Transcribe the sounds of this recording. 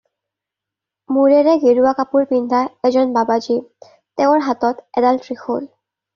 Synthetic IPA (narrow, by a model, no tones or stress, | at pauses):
muɹɛɹɛɡeɹuakapuɹpindʱaɛzɔnbabazi | teʊɹɦatɔtɛdaltɹixol